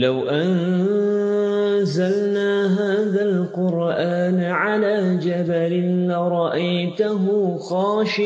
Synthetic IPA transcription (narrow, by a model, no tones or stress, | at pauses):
lawʔan | zalnaːɦaːðalqʊɾʔaːnʕalaːd͡ʒabalɪnlaɾˤɑʔajt̪ʊɦʊxɑːʃɪ